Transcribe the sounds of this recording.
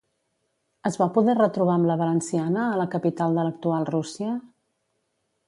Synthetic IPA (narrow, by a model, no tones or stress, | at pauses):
əzβapuðɛrət̪ɾuβ̞aəmləβ̞ələnsianəːləkəpit̪alˠd̪ələk̚t̪ualˠrusiə